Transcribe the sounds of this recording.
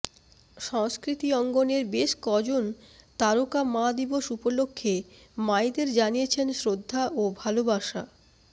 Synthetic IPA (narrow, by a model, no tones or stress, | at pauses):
ʃɔŋskɾit̪iɔŋɡoneɾbeʃkɔd͡ʑont̪aɾokamãd̪iboʃupolokʰːemajd̪eɾd͡ʑanijet͡ɕʰensɾod̪ʱːaʔobʱalobaʃa̰